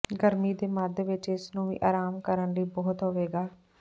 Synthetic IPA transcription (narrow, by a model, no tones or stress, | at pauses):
ɡəɾmiːd̪eːməd̪ʋɪt͡ʃɪsnũːʋḭːʔa̰ːɾaːmkəɾəɳliːbɔːt̪ɦoʋeːɡaː